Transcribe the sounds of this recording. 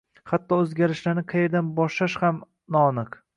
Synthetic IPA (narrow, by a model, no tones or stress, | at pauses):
hat̪ːɒɵzɡʲaɾɪʃlaɾnɪqʰɑjeɾd̪anbɒʃlaʃham | nɒnɨq